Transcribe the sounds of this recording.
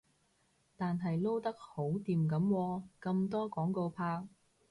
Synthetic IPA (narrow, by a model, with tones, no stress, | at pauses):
t̪aː˨nɦɐ˨jlo˥wt̪ɐ˥k̚ho˨˥wt̪iː˨mkɐ˨˥mwɔː˧kɐ˧mt̪ɔː˥kɔː˨˥ŋko˧wpʰaː˧